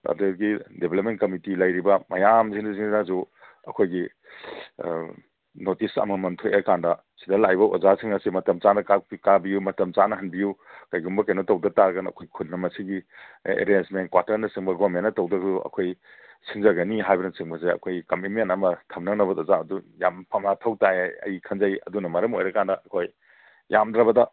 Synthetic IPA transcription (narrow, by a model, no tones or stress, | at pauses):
ɐ̰ɾdeɾɡidebʱelep̚menkɐmitilajɾibɐmajamziŋɐziŋdazu | ɐkʰojɡi | notisɐ̰mɐmɐntʰojekandɐ | sidɐlajbɐʔuzasiŋnɐsimɐtɐmt͡ʃanɐkakabijumɐtɐmt͡ʃanɐɦhɐnbijukajɡumbɐkɐjnotɐwdɐtaɾɡɐnɐ̰kʰojkʰutnɐmɐsiɡiḛɾensmen̚kwaɾtɐɾnɐsiŋbɐɡomenːɐtɐwdɐɡɐduɐ̰kʰoj | sʰiŋzɐɡɐniɦajbɐnɐsiŋbɐzeɐ̰kʰojkɐmimenɐmɐtʰɐmnɐŋnɐbɐdɔzaɐdujampʰamlatʰɐwtaeɐ̰jkʰɐnzajɐ̰dunɐmɐɾɐmojɾɐkandɐʔɐkʰoj | jamdɾɐbɐdɐ